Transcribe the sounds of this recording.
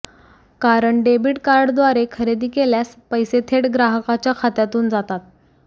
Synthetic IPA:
kaɾəɳɖebiːʈkaɾɖd̪ʋaɾekʰəɾed̪iːkeljaspəjset̪ʰeɽɡɾaɦəkat͡ɕjakʰat̪jat̪uːnd͡zat̪at̪̚

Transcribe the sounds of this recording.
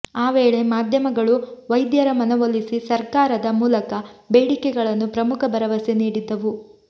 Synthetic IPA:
aːʋe̞ːɭe̞maːd̪ʱjɐmɐɡɐɭuʋɐjd̪jɐɾɐmɐnɐʋolisisɐɾkaːɾɐd̪ɐmuːlɐkɐbe̞ːɽikɛɡɐɭɐnːupɾɐmukʰɐbɐɾɐʋɐseniːɽid̪ːɐʋu

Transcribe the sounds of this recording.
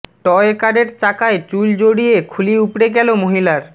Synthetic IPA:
ʈɔekaɖeɾt͡ɕakaet͡ɕuld͡ʑoɽiekʰuliupɾeɡɛlomoɦilaɾ

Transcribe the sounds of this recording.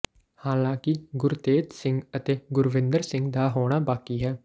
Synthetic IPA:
haːlãːkɪɡʊɾt̪eːt̪sɪ̃ŋɡət̪eːɡʊɾʋɪ̃nd̪əɾsɪ̃ŋɡd̪aːɦoːɽ̃aːbaːkiːɦɛː

